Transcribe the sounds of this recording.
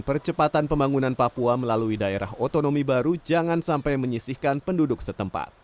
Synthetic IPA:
pərt͡ʃəpat̪anpəmbaŋunanpapuaməlaluidaeɾa̰ɦot̪onomibaɾud͡ʒaŋansampajməɲisɪhkanpəndudʊksət̪əmpa̰t̪̚

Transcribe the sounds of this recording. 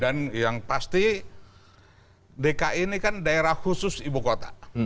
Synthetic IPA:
anjaŋpast̪i | dekaʔinikandaeɾahhusʊsibukot̪a

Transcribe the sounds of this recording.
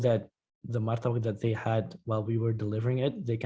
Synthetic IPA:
ðɨt̪̚ | ðəmɑɹθʰəbk̚ðɨt̪̚ðeɪhədwaɪlˠwiwə˞dəlɪvə˞ɪ̃ŋɪt̪̚ðeɪkʰ

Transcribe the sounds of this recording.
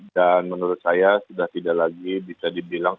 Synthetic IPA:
danmənuɾʊt̪̚sajasudaht̪idaʔlaɡibisadibilaŋ

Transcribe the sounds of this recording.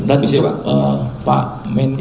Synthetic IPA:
dansəpa̰ʔmɛn

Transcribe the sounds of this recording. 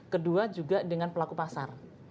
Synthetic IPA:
kəduad͡ʒuɡadəŋanpəlakupasar

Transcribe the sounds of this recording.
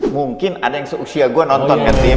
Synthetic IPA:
muŋkɪnadajaŋsəusiaɡuwanɔnt̪ɔnkant̪ɪ

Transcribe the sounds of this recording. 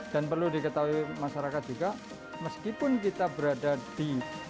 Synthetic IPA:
d̥anpərludikət̪aɦuimaʃaɾakat̪̚d͡ʒuɡa | məskipʊnk̬it̪abəɾadadi

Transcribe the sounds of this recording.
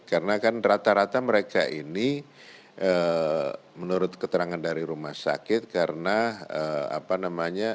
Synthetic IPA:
kaɾənakanrat̪aɾat̪aməɾekaʔini | ʔə | mənuɾʊt̪̚kət̪əɾaŋandaɾiɾumahsa̰kɪt̪̚kaɾənaəa̰panamaɲa

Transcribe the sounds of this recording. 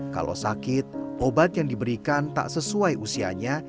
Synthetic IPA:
ka̰lo̰sakɪt̪̚ʔobat̪̚jaŋdibəɾikant̪a̰ʔsəsuajʔusia̰ɲa

